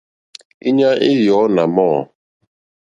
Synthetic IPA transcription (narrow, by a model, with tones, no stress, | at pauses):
i˦ɲa˦ʔi˦jɔ˨˦na˨mɔː˦˨